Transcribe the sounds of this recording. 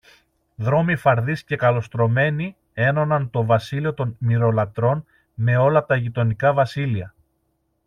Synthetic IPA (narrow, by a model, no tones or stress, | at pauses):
ðɾo̞mifɐɾðisce̞kɐlo̞st̪ɾo̞me̞ni | e̞no̞nɐnt̪o̞vɐsilio̞t̪o̞nmiɾo̞lɐt̪ɾo̞n | me̞o̞lɐt̪ɐʝit̪o̞nikɐvɐsiliɐ